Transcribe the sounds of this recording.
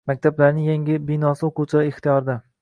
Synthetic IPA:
mak̚ʲt̪ʰablaɾnɪŋjaŋʲɪbɪnɒsɪoqʰuwt͡ʃʰɪɾaeχt̪ijɒɾd̪a

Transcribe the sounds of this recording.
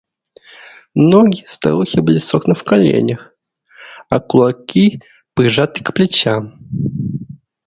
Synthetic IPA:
noɡʲɪst̪a̰ɾuxʲɪbɨlʲɪsoknɨfkɐlʲḛnʲəx | ɐkʊlˠɐkʲi | pɾʲɪʐat̪ɨkplʲɪt͡ɕam

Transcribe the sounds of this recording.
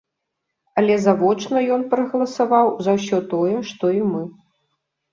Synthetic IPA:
ɐlʲɛzavɔt͡ʂnɐjɔnpɾɐɣɐlˠɐsavawzɐwsʲɔt̪ɔjɛʂt̪ɔimɨ

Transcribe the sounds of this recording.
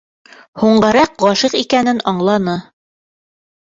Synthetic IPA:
huɴɢɑɾɑq̚ʁɑʃiqikænɘnɑɴlˠɑnɤ

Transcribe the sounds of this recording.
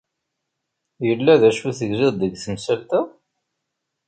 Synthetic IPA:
jəlːæðæʃuθəɡziðˤd̪əɡθəmsəlt̪æ

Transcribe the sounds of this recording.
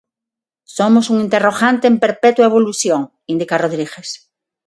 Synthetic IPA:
somosuŋĩnt̪eroɣãnt̪eːmpeɾpɛt̪waeβ̞oluθjoŋ | ind̪ikaroðɾiɣes

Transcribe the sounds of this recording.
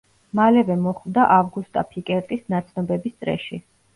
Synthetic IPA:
malɛvɛmɔχvd̪aʔavɡust̪ʼapʰikʼɛɾt̪ʼisnat̪sʰnɔbɛbist̪sʼɾɛ̰ʃi

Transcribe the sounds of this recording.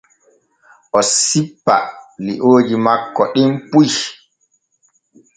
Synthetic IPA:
ʔɔsipːa̰liʔoːd͡ʒimakːɔɗimpuj

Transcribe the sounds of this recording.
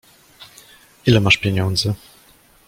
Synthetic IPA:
ʔilɛmaʂpʲjɛɲɔnd̪zɘ

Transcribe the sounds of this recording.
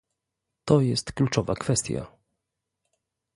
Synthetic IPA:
t̪ɔjɛst̪klut͡ʂɔvakfɛst̪ʲja̰

